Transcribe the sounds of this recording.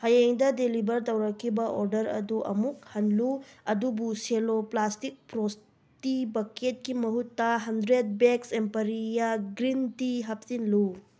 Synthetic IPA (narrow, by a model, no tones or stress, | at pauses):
hɐjeŋdɐdelibɐɾt̪ɐwɾɐkʰːibɐʔoɾdɐɾɐ̰duʔɐ̰muk̚hɐnluɐdubuseloplastik̚pɾos | tibɐkʰet̚kimɐɦutːɐɦɐndɾet̚beksempɐɾijɐɡɾintiɦɐp̚sinlu